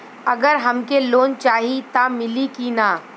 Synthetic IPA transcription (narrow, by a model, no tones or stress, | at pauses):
ɐɡəɾɦɐmkeloːnt͡ʃaːɦit̪amɪlikinaː